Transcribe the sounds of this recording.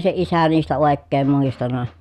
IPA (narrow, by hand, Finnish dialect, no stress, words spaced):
se isæ niːstæ oˑekːeːm muistɑnɑ